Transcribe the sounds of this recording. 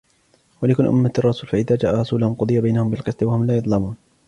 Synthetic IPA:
walɪkʊnʔʊ̰mːarˤːɑsuːlfaʔɪðaːd͡ʒaːʔaɾˤɑsuːlʊhʊmqʊd̪ˤɨjabajnahʊmbɪlqɨsˤt̪wahʊmlaːjʊd̪ˤlɑmuːn

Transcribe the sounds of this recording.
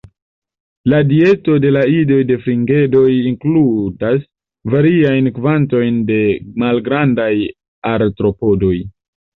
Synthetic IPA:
ladie̞to̞de̞laido̞jde̞fɾiŋɡe̞do̞jiŋkludas | vaɾiajnkvanto̞jnde̞malɡɾandaj | aɾtɾo̞po̞do̞j

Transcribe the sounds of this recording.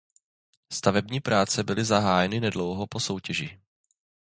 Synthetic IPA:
st̪avɛbɲiːpɾʔaːt͡sɛbɪlɪzaɦaːjɛnɪnɛdlo̞wɦopo̞so̞wcɛʒi

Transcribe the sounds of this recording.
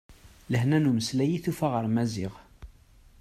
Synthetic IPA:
ləhnænuməslæjiθufaʁəɾmæzɪʁ

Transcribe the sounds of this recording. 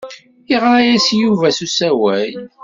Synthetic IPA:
iʁɾæjæsjuvæsusæwæj

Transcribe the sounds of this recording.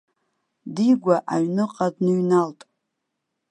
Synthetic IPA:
diɡʷaʔaɥnɨqʼadnɨɥnaltʼ

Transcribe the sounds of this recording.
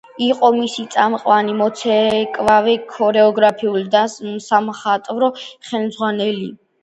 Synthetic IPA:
iqʼɔmisit̪sʼamqʼwanimɔt̪sʰɛkʼvavɛkʰɔɾɛɔɡɾapʰiuld̪asamχat̪ʼvɾɔχɛlmdzʁwanɛlḭ

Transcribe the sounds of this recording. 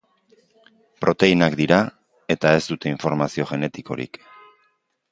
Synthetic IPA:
pɾo̞t̪e̞inakd̪iɾa | e̞t̪ae̞zt̪ut̪e̞iɱfo̞ɾmasio̞ʝe̞ne̞t̪iko̞̰ɾḭk

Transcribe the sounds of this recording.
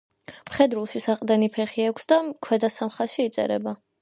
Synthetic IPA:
mχɛd̪ɾulˠʃisaqʼd̪ɛnipʰɛχiɛkʷʰsd̪akʰwɛd̪asamχasʃiːt̪sʼɛ̰ɾɛ̰ba

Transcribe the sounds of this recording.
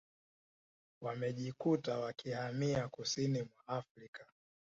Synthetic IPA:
wamɛʄikutawakihamiakusinimwaafɾikḁ

